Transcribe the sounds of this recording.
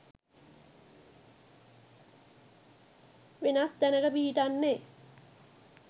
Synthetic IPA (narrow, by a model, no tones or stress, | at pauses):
ʋenasd̪ænəkəpiːiʈanːe